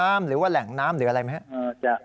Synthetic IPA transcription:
aː˦˥mɾɯː˩˦waː˥˩lɛ˨˩˦ŋnaː˦˥mɾɯː˩˦a˧ɾa˧jma˦˥ha˥ʔəː˧t͡ɕa˧˩

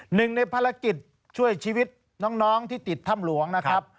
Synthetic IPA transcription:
nɯ˨˩ŋna˧jpʰa˧ɾla˧ki˨˩t̪̚ | t͡ɕʰu˥˩əjt͡ɕʰiː˧wi˦˥t̪̚ | nɔː˦˥ŋnɔː˦˥ŋt̪ʰiː˥˩t̪i˨˩t̪ʰːa˥˩mlu˩˦əŋna˦˥kʰa˦˥p̚

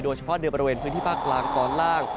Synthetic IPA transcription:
doː˧jt͡ɕʰa˧pʰɔ˦˥dɯ˧bɔ˧ɾi˧weː˧npʰɯː˧˦˥nt̪iː˥˩pʰaː˥˩k̚laː˧ŋk̪ɔː˨˩nlaː˥˩ŋ

